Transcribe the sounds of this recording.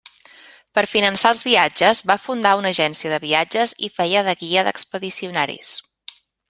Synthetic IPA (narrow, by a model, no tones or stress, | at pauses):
pəɾfinənsaəlˠzβiad͡ʒəzβafund̪aunəʒɛnsiəðəβiad͡ʒəzḭfɛjəðəɣiəðə̰kspəðisiunaɾḭs